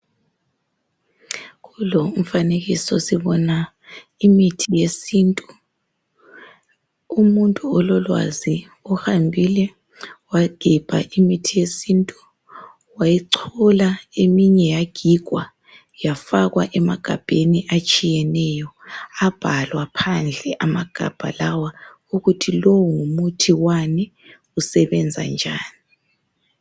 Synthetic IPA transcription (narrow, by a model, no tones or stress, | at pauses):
ɣuloum̩faneɣisɔsiβɔna | imitʰijesiːntʼu̥ | umuntʼuɔlɔlwa̰zi | ɔhambʱilɛ | waɡ̥ʱib̥ʱa̰ʔimitʰijesintʼu | wajiǀʰɔlaemiɲɛjaɡ̥ʱiɡ̥ʱwa | jafaɣwaʔɛmaɡ̥ʱab̥ʱeniʔat͡ʃʼijɛnɛjɔab̥ʱalwapʰand͡ɮʱɛʔamaɡ̥ʱa̰b̥ʱa̰lawa | uɣutʰilowuŋumutʰiwanɛ | usɛβɛnd͡zʱa̰nd͡ʒʱaːni